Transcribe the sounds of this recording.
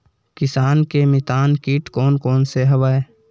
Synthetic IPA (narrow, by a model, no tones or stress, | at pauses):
kɪsaːnkemɪt̪aːnkiːʈkoːnkoːnseɦəʋaːe